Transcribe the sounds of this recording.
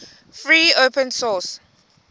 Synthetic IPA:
fɹiːopə̃nsɔs

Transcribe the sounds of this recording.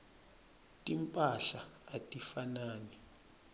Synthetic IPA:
tʼimpʼaɬaːtʼifanaːnɛ

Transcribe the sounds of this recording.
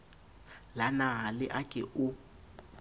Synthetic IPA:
lanaɦalɪʔakʼɪʔu

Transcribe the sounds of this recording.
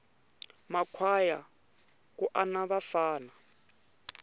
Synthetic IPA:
makʰwaja | kuʔanaβafaːna

